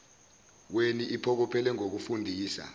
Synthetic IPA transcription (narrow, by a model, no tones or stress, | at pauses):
weniʔipʰɔk̬ɔpʰɛlɛŋok̬ufundʱiːsa̰